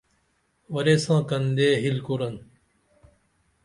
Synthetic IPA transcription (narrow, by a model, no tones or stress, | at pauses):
ʋəɾeːsãːkənd̪eːɦɪlkoːɾən